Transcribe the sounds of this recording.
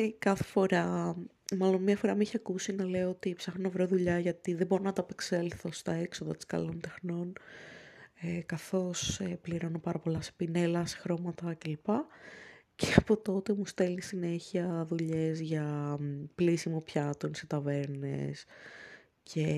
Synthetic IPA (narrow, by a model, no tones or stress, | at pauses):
kɐθe̥fo̞ɾɐ | mɐlo̞nmɲɐfo̞ɾɐmiçiɐkusinɐle̞oot̪ipsɐxnonevɾoðuʎɐʝɐt̪iðebo̞ɾonɐt̪ɐpekselθo̞st̪ɐekso̞ðɐt̪i̥skɐ̰lo̞nt̪e̞xno̞n | ekɐθo̞sepliɾo̞nopɐɾɐpo̞lɐse̥pine̞lɐse̥xɾo̞mɐt̪ɐce̞lipɐ | ceɐpo̞t̪o̞t̪e̞must̪e̞lnisine̞çiɐðuʎe̞zʝɐ | plisimopçɐt̪onset̪ɐve̞ɾnḛs | cʰe̞